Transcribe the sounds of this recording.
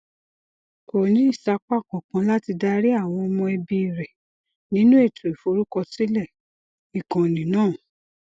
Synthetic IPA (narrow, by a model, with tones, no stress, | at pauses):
ko˨nĩ˨˦i˦˨sa˦k͡pa˦˨kɔ̃˨kã˨˧˦la˦ti˧da˦ɾi˦a˦˨w̃ɔ̃˧ɔ˧mɔ̃˧ɛ˧bi˧˨ɾɛ˨ | nĩ˦nũ˦e˦˨tʰu˨e˨fo˨˧˦ɾu˦kɔ˧ti˦lɛ˦˨ | i˨kã˨nĩ˨˦nãː˦˨